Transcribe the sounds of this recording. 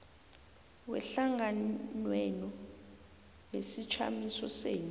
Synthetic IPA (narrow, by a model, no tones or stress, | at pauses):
wɛ̰ɬaŋɡanwɛnɔ | nesit͡ʃʰa̰misɔseːnu